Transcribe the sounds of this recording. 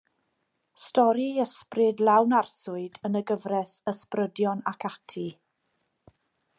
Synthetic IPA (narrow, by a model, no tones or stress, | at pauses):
stɔɾiəsprɪdlawnarsʊɨdənəɡəvrɛsəsprədjɔnakʰatʰi